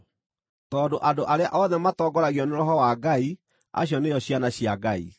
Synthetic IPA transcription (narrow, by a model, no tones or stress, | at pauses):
tɔːndoʔadoʔaɾeaʔɔðɛmatɔːɡɔɾaɣjɔneɾɔɦɔwaɡai | a̰ɕjɔnejɔɕianaɕiaɡaḭ